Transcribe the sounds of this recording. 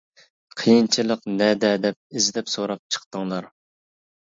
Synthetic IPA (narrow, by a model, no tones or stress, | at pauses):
qʰəjint͡ʃʰilˠəqnɛd̪ɛd̪ɛp̚ɪzd̪ɛpsoɾɑp̚t͡ʃʰə̥qt̪əŋlˠɑɾ